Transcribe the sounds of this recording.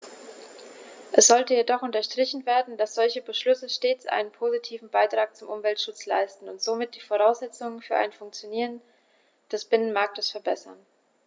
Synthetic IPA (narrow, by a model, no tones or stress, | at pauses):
ʔɛsz̥ɔltəjedɔχʔʊntɐʃtʁ̥ɪçn̩veːɐdn̩dasz̥ɔlçəbəʃlʏsəʃteːt͡sʔa̰ɪnənpʰoːzitʰiːvn̩baɪtʁ̥aːk̚t͡sʊmʔʊmvɛltʃʊt͡sla̰ɪstn̩ʊntz̥oːmɪt̚d̥iːfoʁ̞aʊsz̥ɛt͡sʊŋənfyːɐʔa̰ɪnfʊŋk̚t͡sjoniːʁ̞ən | d̥ɛsb̥ɪnənmaɐk̚təsfɛɐbɛsɐ̰n